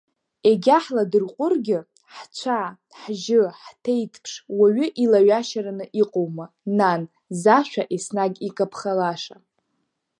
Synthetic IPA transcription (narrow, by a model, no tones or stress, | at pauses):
eɡʲaħladɨrqʷʼʊrɡʲɪ | ħt͡ɕʷʰa | ħʒɪħtʰejtʰʼpʰʂwaɥʏʔilaɥaʃaɾanɨʔiqʼowma | nan | zaʃʷᶣaʔesnaɡʲikʼapʰχalaʂa